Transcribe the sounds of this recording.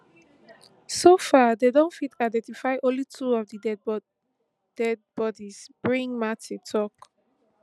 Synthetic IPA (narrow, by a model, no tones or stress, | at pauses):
sofadedõnfitʰaɪdɛ̃ntifaɪʔɔ̃nlitʰuɔvdidɛ | d̥ɛd̚bɔdisb̥ɹĩŋmatitʰɔk